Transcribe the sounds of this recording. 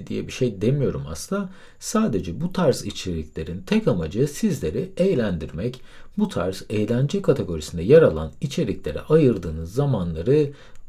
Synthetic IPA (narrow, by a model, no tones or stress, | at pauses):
d̪ijɛbiʃe̞jd̪e̞mijo̞ɾuma̰slˠa | saːd̪e̞d͡ʒɛbut̪ʰaɾzit͡ʃʰelʲiclʲe̞ɾint̪ʰɛcamad͡ʒɯsizlʲe̞ɾiejlʲænd̪iɾmɛcbut̪ʰa̰ɾzejlʲænd͡ʒɛkʰat̪ʰe̞ɡo̞ɾisind̪ɛjaɾalˠa̰nit͡ʃʰe̞lʲicʲlʲe̞ɾɛ̰ʔajɯɾd̪ɯːnɯzːamanlˠaɾɯ